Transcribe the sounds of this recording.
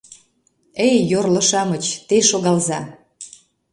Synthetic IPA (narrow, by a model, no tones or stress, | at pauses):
ejjorlɤ̆ʃɑmət͡ɕt̪eʃoɣɑlzɑ